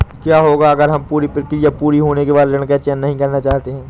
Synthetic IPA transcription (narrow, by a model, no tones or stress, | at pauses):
kjaːɦoːɡaɐɡəɾɦɐmpuːɾipɪɾkijapuːɾiɦoːnekebaːd̪ləɳ̃kat͡ʃɛːnːɐɦĩkɐɾnat͡ʃaːɦt̪eɦɛ̃ː